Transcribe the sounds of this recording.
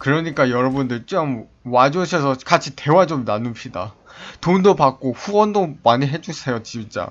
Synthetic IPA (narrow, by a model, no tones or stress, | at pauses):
kɯɾʌɲik͈ajʌɾʌbundɯɭt͡ɕ͈ʌm | wad͡ʑoɕʰʌsʰʌkat͡ɕʰite̞wat͡ɕomnanupɕ͈ʰida̰ | tondopak̚k͈oɸuwʌndomaɲiɦe̞d͡ʑusʰejot͡ɕibt͡ɕ͈a̰